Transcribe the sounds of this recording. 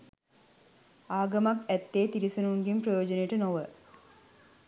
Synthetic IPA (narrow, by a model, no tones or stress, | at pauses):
aːɡɐmakæt̪ːeːt̪iɾisɐnuŋɡimprɐjoːd͡ʒənəjeʈənoʋə